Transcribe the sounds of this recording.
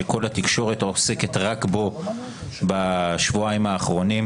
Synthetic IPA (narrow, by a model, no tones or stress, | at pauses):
eko̞lhat̪ikʃo̞ʁet̪ose̞ket̪ʁakbo̞ | baʃvuaimaːχʁo̞nim